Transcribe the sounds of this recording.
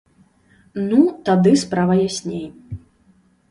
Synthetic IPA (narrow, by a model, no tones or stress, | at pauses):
nut̪ad̪ɨspɾavɐjasʲnʲej